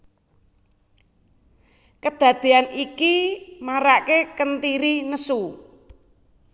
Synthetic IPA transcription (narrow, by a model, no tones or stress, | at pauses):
kəd̪̥ä̤d̪̥e̤anikimaɾakekənt̪iɾinəsu